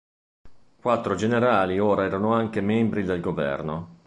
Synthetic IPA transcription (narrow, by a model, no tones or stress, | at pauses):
kwat̪ːɾod͡ʒeneɾaːlioːɾaɛːɾanoaŋkemɛmbɾid̪elɡovɛ̰rno